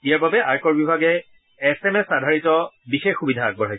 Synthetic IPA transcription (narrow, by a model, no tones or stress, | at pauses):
ijaɹbabɛʔaɹkɔɹbibʱaɡɛː | sɛmɛsadʱaɹitɔbixexːubidʱaːɡ̚bɔɹɦaj